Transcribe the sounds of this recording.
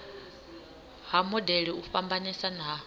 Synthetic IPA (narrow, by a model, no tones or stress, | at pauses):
hamɔdɛɺiuɸambanisana